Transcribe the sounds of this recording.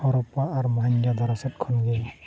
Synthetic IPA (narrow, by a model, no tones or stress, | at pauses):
hɔɾɔpːaːɾmɔɦaɲɡad̪ɔɾɔsɛt̚kʰɔnɡe